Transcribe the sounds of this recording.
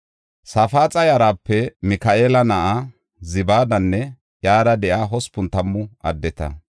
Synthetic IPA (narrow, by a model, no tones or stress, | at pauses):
sɐfaːt͡sʼɐjɐɾaːpːɛmɪkɐʔeːlɐnɐʔa | zɪbaːd̪ɐnːɛ | jaːd̪ɐd̪ɛʔaːɦɔspʊnt̪ɐmːʊʔɐd̪ːɛt̪ɐ̰